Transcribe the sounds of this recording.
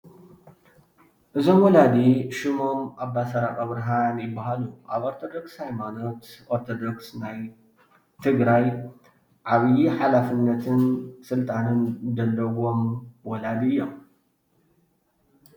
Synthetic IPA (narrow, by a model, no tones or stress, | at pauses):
ʔɨzo̞mwɔlad̪iʃɪmo̞mʔabːasɐɾakʼaβɾɐɦanjɪbːaɦaluʔaβoɾt̪ʰo̞d̪o̞kshajmano̞t̪ʔoɾt̪ʰod̪oksnaj | t̪ʰɨɡɾaj | ʕaβjiħalafɨnːɐt̪ʰɨnsɨlt̪ʼanɨnzɐlːɐwo̞mwɔlad̪iɨjːo̞m